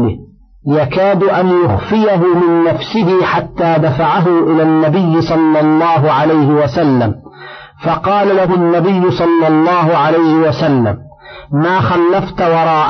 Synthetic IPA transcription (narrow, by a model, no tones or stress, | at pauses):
lɪ | jakaːd̪ʔanjʊxfɪjaɦʊmɪnːafsɪɦɪħat̪ːaːd̪afaʕaɦʊʔɪlaːnːabɪjːɪsˤɑlːɑlˤːɑːɦʊʕalajhɪwasalːam | fɑqɑːlalaɦʊnːabɪjːʊsˤɑlːɑlˤːɑːɦʊʕalajhɪwasalːa̰mː | aːxalːaft̪wɑɾˤɑːʔ